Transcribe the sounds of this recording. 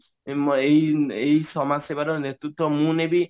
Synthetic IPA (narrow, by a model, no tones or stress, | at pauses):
mejejsɔmasebaɾɔnet̪ut̪ɔmunebi